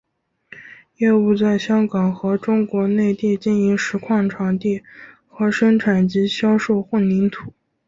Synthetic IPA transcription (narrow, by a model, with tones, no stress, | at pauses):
jɛ˥˧u˥˧t͡sa˥˩ɪɕjɑ˥ŋkɑ˨˩ŋxɤ˧˥ʈ͡ʂʊ˥ŋkwɔ˧˥ne˥˧ɪt̪i˥˧t͡ɕi˥˩ni˧˥ŋʂɻ̩˧˥kʰwɑ˥˩ŋʈ͡ʂʰɑ˧˥ŋt̪i˥˩ | xɤ˧˥ʂɤ˥ŋʈ͡ʂʰa˨˩nt͡ɕi˧˥ɕjɑ˥ʊʂo˥˩ʊxwə˥˩nni˧˥nt̪ʰu˨˩˦